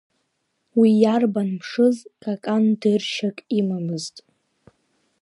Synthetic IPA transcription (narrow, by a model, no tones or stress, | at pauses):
wijarbanpʰʂɨzkʼakʼandɨrʃakʼimamɨztʼ